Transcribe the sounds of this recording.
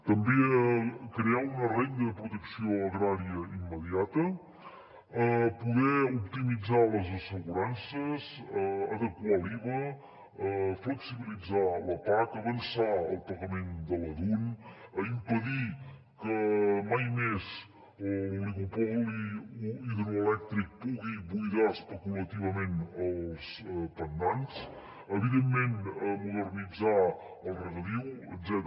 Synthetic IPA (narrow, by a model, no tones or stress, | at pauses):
t̪əmbeəkɾeaunəreŋd̪əðəpɾut̪əksioəɣɾaɾiəimːəðiat̪ə | əpuɣɛupt̪imid͡zaləzəsəɣuɾansəzəəðəkwaliβə | əfləksiβilid͡zaləpakəβənsaə̰lˠpəɣəmend̪ələðuʎəimpəði | kəmajmez | əlliɣupɔliiðɾuəlɛk̚t̪ɾik̚puɣiβujðaəspəkulət̪iβəmenəlˠspənd̪ans | əβiðemːenəmuðərnid͡za | əlˠrəɣəðiwəzɛt̪